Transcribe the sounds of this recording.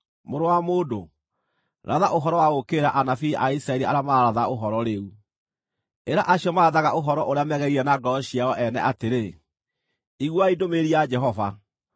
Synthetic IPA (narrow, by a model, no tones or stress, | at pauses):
moɾowamoːdo | ɾaðaʔoɦɔɾɔwaɣokeɾaʔanafiaisɾaɛɾia̰ɾamaɾaðaoɦɔɾɔɾeu | eɾaʔaɕiɔmaɾaðaɣaʔoɦɔɾɔʔoɾeamɛɣɛɣiɾɛnaɡɔɕiaɔʔɛnɛ̰ʔateɾe | iɣwaidomeɾiad͡ʒɛɦɔva